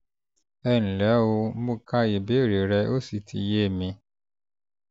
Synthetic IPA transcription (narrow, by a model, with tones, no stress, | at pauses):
ɛ˦˨n̩˨lɛ˨˦wo˧˦bũ˦ka˦je˨be˦˨ɾe˨ɾɛ˧˦ʔo˦si˨tʰḭ˧˨je˦˨mĩ˧